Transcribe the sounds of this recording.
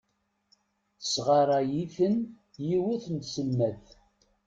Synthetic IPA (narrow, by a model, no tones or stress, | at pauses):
θəsʁɑɾˤɑjiθən | jiwæθənt̪səlmæð